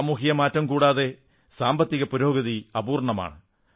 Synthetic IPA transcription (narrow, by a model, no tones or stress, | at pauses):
muːɦijɐmaːtːɐmkuːɽaːðe̞ | saːmbɐt̪ːiɣɐpuɾo̞ːɡɐðiɐbuːrɳɐma̰ːɳɨ